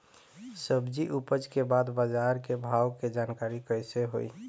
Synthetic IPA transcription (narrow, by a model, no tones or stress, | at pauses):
səbd͡ʒiʔupəd͡ʒkebad̪bəd͡ʒaɾkebʱawked͡ʒaːnkaɾikəɪseɦo̰ḭ